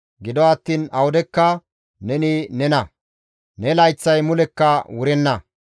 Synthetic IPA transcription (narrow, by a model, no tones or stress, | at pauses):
ɡɪd̪ɔɐt̪ːiːnɐwʊd̪ɛkːɐ | nɛnɪnɛnɐ | nɛlɐjt͡sːɐjmʊlɛkːɐwʊɾɛnːɐ